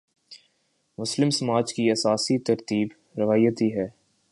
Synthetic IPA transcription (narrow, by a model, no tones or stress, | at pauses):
mʊslɪmsɐmaːd͡ʒkiɐsaːsit̪ɐɾt̪iːb | ɾɐʋaːjət̪iɦɛː